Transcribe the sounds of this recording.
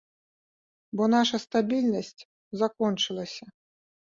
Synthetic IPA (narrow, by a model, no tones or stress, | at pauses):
bɔnaʂɐst̪abʲilʲnɐsʲt͡sʲ | zakɔnt͡ʂɨlˠɐsʲɐ